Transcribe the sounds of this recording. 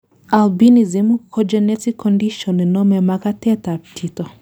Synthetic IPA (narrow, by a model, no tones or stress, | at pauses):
albinizimukʰɔd͡ʒɛnɛtikʰːɔndiʃɔninɔmɛmakatɛtatʰitɔ